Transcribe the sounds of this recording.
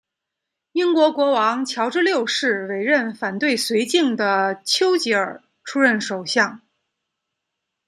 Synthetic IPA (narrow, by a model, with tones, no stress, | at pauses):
i˥nkwɔ˧˥kwɔ˧˥wɑ˧˥ŋt͡ɕʰjɑ˧˥ʊʈ͡ʂɻ̩˥ljo˥˧ʊʂɻ̩˥˩we˨˩ɪɻə˥˩nfa˨˩nt̪we˥˩ɪswe˧˥ɪt͡ɕi˥˩ŋd̪ə˩t͡ɕʰjo˥ʊt͡ɕi˧˥ə˞˨˩ | ʈ͡ʂʰu˥ɻə˥˩nʂo˨˩ʊɕjɑ˥˩ŋ